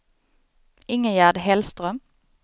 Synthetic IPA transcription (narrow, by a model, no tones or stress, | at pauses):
ɪŋəjæːʁd̪əhɛlst̪ʁœm